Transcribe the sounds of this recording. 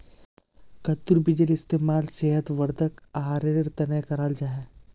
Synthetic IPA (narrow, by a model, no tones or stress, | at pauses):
kɐt̪ːuɾbɪd͡ʒəlɪst̪eːmaːlseːɦət̪ʋɐɾd̪əkaɦaːɾeɾɾt̪ɐnekɐɾaːld͡ʒaːɦɛː